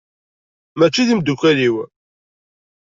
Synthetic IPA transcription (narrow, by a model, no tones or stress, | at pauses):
mæt͡ʃːiðimd̪ukʷæliw